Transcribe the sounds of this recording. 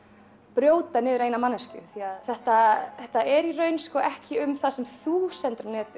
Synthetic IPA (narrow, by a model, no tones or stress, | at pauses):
pɾjoːwt̪anɪːvɪɾejnamanːɛscʏ̰θiaðθɛht̪aθɛht̪aɛɾirœːɥnskɔʔɛhcɪʏmθasɛmθuːsɛnt̪ɾʏmnɛːt̪ʏ